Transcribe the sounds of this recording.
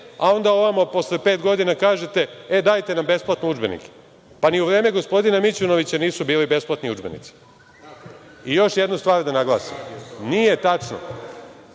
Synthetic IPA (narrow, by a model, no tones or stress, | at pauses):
a̰o̞nd̪ao̞ʋamopo̞slepe̞ːt̪ɡo̞d̪inakaːʒe̞t̪e̞ed̪aːjt̪e̞nambe̞splˠat̪noud͡ʒbenḭke̥ | paniuʋɾeːme̞ɡo̞spo̞d̪inamit͡ɕunoʋit͡ɕaniːsubiːlibe̞splˠat̪niud͡ʒbenḭt̪si̥ | ijo̞ʃjed̪nust̪ʋaːɾd̪anaɡlˠaːsḭmnije̞t̪at͡ʂno̰